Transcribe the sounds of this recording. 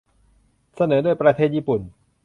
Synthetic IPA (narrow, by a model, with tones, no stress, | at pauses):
sa˧nɤː˩˦du˥˩əjpɾa˧t̪ʰeː˥˩t̪̚ʔiː˥˩pu˨˩n